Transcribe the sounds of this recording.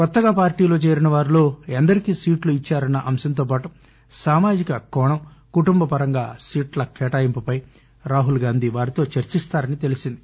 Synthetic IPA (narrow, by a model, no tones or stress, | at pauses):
kɔt̪ːɐɡaːpaːɾʈiːlo̞ːt͡ʃe̞ːɾinɐʋaːɾilo̞ːɐnd̪ɐɾikiːsiːʈluit͡ʃːaːɾɐnːɐʔɐmsɐnt̪oːp̬aːʈu | saːmaːd͡ʒikɐkɔːɳɐmkuʈumbɐpɐɾɐŋɡaːsiːʈlɐkʰɛːʈaːjimpupɐj | ɾaːɦulɡaːnd̪ʱiʋaːɾit̪o̞ːt͡ʃɐɾt͡ʃist̪aːɾɐnit̪e̞lisind̪i